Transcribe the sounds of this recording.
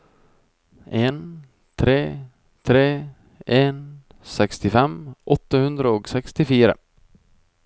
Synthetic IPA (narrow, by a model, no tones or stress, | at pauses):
ʔeːn | t̪ʰɾeː | t̪ʰɾeː | ʔeːn | sɛkst̪ɪfɛmʔɔt̪ːəhʉnd̪ɾəoːɡsɛkst̪ɪfiːɾə̰